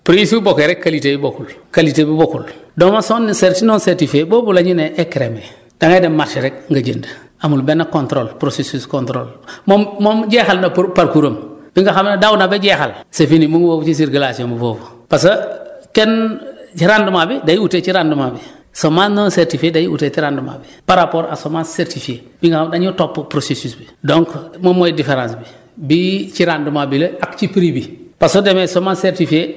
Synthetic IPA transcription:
pɾisibokeɾekːalitebibokulkalitebibokuldomasonseɾtinɔːnseɾtifeboːbulaɲuneːkɾeme | d̥aŋademaɾʃiɾekŋɡaɟəndə | amulbenːakontɾolpɾosesuskontɾolmomomɟexalnapaɾkuɾombiŋɡaxamnadaunabeɟɛxalsefinimuŋɡbobut͡ʃis̬iɾɡalasiombuboːbupas̬ɐkeniɾandumabidajiutet͡ʃiɾandumabi | somanːonseɾtifiedajiṵtetiɾanduma̰bipaɾapoɾʔasomaːnseɾtifie | biŋɡaxamdaɲutopːpɾosesisbi | doŋkmomojdifeɾãːnsbi | bit͡ʃiɾandumabileakt͡ʃipɾibipasodemesomanseɾtifie

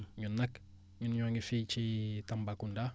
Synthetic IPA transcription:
ɲunːak | ɲunɲaŋɡifit͡ʃitambakunda

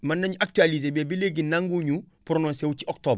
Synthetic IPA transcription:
manːaɲuʔak̚tualizebɛbileɡinaŋɡuɲu | puɾonõnsewut͡ʃiʔɔktoːb

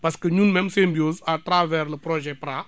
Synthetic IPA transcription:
paskəɲunmɛmsẽmbjozat̪ɾavɛɾləpɾɔʒɛpɾa

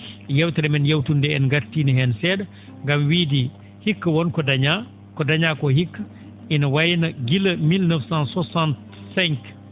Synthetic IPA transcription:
jewtɛɾɛmɛnjewtundɛɛnɡaɾtːiːniɦɛnsɛda | ŋɡamwiːdi | hikːɐwɔnkɔdaɲa | kɔdaɲaːkɔhikːa | ʔinawajnaɡilɐmilnəfsansɔsant | sɛŋk

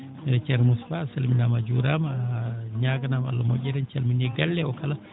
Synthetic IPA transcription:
t͡ʃɛɾmusfasalminamad͡ʒuɾam | ɲaːɡanama̰lːamɔ̰ʔʲɛɾɛnt͡ʃalminɛɡalːɛɔkala

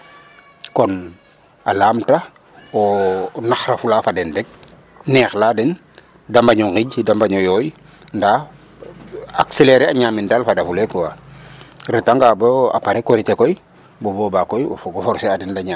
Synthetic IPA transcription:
kɔn | alaːmta | onaxɾafulafadendek̚ | nɛxladen | dambaɲoŋkiɟidambaɲojoj | nda | akseleɾeaɲaːmindalfadafulekowa | ɾitaŋɡaboa̰paɾekoɾitekoj | bobobakojɡofɔɾseadindaɲa

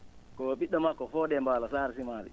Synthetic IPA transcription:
kɔɓiɗːɔmakːɔfɔːdɛmbaːlasaːɾisimaːlḭ

